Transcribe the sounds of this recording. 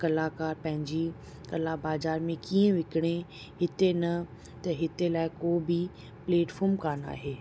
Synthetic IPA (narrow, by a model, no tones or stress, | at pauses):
kɐlaːkaːɾpɐ̃ɦɪ̃ɲd͡ʑi | kɐlaːbaːzaːɾmẽkiːə̃ʋɪkɪɽ̃e | ɦɪt̪enɐ | t̪ɐɦɪt̪elaːɪkoːbi | pleːʈfʰoːmkaːna̰ːɦeː